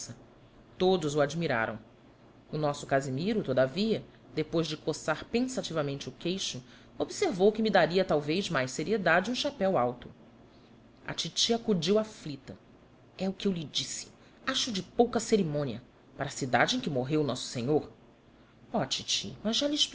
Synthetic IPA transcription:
sɐ | t̪od̪ʊzʊad͡ʒmiɾa̰ɾɐ̃w̃ | ʊnɔsʊkazimiɾʊt̪od̪aviɐ | d̪epojzd͡ʒɪkosaɾpẽsat͡ʃivɐmẽnt͡ʃɪʊkejʃʊ | obiseɾvowkɪmid̪aɾiɐt̪awvejzmajsseɾied̪ad͡ʒɪũʃapɛwawt̪ʊ | ɐ̰t͡ʃit͡ʃiakud͡ʒiwaflit̪ɐ | ɛʊkɪewlɪd͡ʒisɪ̥ | aʃʊd͡ʒɪpowkɐseɾimõniɐ | paɾɐsid̪a̰d͡ʒɪẽj̃kɪmoɦewnɔsʊ̥seɲoɾ | ɔt͡ʃit͡ʃḭmɐzʒalɪʃp

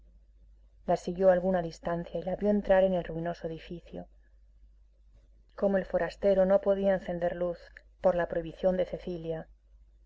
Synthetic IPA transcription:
lasiɣjo̞alɣunaðist̪an̟θjailaβjo̞ent̪ɾaɾe̞ne̞lruino̞soe̞ðifiθjo̰ | ko̞moe̞lfo̞ɾast̪e̞ɾo̞no̞po̞ðiaẽnθe̞nd̪e̞ɾluθ | po̞ɾlapɾoiβiθjo̞nd̪e̞θe̞θilja

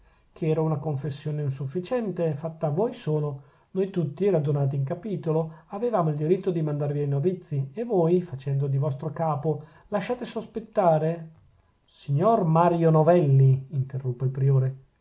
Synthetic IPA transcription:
kʰeɛːɾaunakoɱfesːjoːneinsufːit͡ʃɛnt̪efat̪ːaːvojsoːno | nojt̪ut̪ːiɾad̪unaːt̪̬iːŋkapiːt̪oloavevaːmoild̪iɾit̪ːod̪imand̪arviajnovit̪sːievojfat͡ʃɛnd̪od̪ivɔst̪ɾokaːpo | laʃːaːt̪esospet̪ːaːɾe | siɲːormaɾjonovɛlːiːnt̪erːupːeilpɾioːɾe

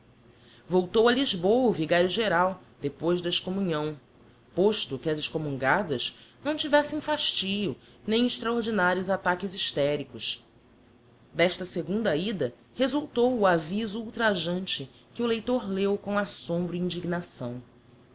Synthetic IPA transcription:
vowt̪owɐliʒbowɐʊviɡaɾjʊʒeɾaw | d̪epojzd̪ɐɪʃkomũɲɐ̃w̃ | poʃt̪ʊkɪɐzɪʃkomũŋɡad̪ɐznɐ̃w̃t͡ʃivɛsẽj̃faʃt͡ʃiʎʊ | nẽj̃ɪʃt̪ɾaoɾd͡ʒinaɾiʊzat̪akɪziʃt̪ɛɾikʊʃ | d̪ɛʃt̪ɐseɡũd̪ɐid̪ɐ | hezuwt̪owuavizuuwt̪ɾaʒɐ̃nt͡ʃɪ | kɪʊlejt̪oɾlewkõw̃asõmbɾʊĩd͡ʒiɡnasɐ̰̃w̃

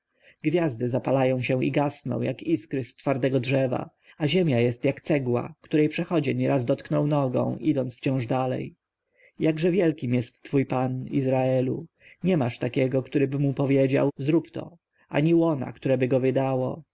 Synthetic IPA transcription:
ɡvʲjazd̪ɘzapalajɔ̃w̃ɕɛ̃ḭɡasnɔ̰̃w̃jʔakiskɾɘst̪faɾd̪ɛɡɔdʐɛva̰ | aʑɛmʲjajɛst̪jakt̪sɛɡwa̰kt̪uɾɛjpʂɛxɔd͡ʑɛɲɛɾazd̪ɔt̪knɔwnɔɡɔ̰̃w̃ʔid̪ɔnt̪ft͡ɕɔ̃w̃ʐd̪alɛ̰j | jaɡʐɛvʲjɛlkʲimjɛst̪ːfujpanḭzɾaɛlṵ | ɲɛmaʂt̪akʲɛɡɔkt̪uɾɘbɘmupɔvʲjed͡ʑa̰wzɾupt̪ɔ̰ | ʔa̰ɲiwɔna̰kt̪uɾɛbɘɡɔvɘd̪awɔ

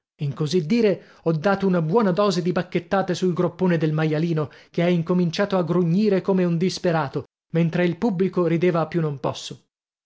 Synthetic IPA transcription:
iŋkozid̪ːiːɾe | ɔd̪ːaːt̪ounabwɔːnad̪ɔːzed̪ibakːet̪ːaːt̪esulɡɾopːoːned̪elmajaliːnokeɛiŋkomint͡ʃaːt̪oaɡɾuɲːiːɾekomeund̪ispeɾaːt̪o | ment̪ɾeilpubːlikoɾid̪eːvaːpːjunːompɔ̰sːo

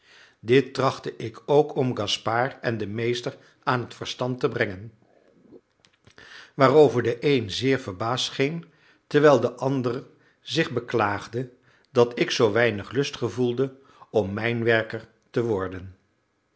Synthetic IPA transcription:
dɪtːrɑχtəʔɪkʰowkʰɔmɡɑspaːɹɛndəmejstəɹ | aːnɦətfəɹstɑntəbrɛŋən | ʋaːrowvəɹdəʔejnzɪːɹvəɹbaːstχɪŋ | tɛɹʋɛjlˠdəʔɑndərə | zɪχbəklaːχdə | dɑtɪksowʋɛjnəχlɵstχəvulˠdə | ɔmːɛjnʋɛɹkəɹ | təʋɔɹdən

